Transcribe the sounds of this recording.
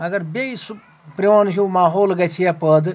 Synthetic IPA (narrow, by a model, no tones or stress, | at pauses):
ɐɡɐɾbʲeisu | pɾiʋonɦʲumaːɦoːlɡɐt͡ʃʰijapəd̪